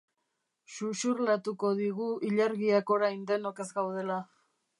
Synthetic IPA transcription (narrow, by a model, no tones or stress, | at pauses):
ʃuʃuɾlat̪uko̞ðiɣ̞uiʎaɾɣiako̞ɾajnd̪e̞no̞ke̞zɡawð̞e̞la